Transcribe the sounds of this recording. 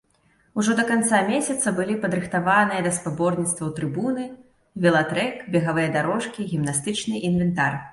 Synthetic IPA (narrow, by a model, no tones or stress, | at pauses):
uʐɔd̪ɐkant̪samʲesʲɐt̪sɐbɨlʲipɐd̪ɾɨxt̪avanɨjɐd̪ɐspabɔrnʲit̪st̪vɐwt̪ɾɨbunɨ | vʲɛlˠat̪ɾɛkbʲɛɣavɨjɐd̪aɾɔʂkʲiɣʲimnast̪ɨt͡ʂnɨʔinvʲɛnt̪ar